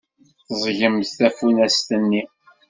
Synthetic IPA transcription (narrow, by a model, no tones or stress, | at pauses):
θzˤʝəmθθæfunæst̪ənːi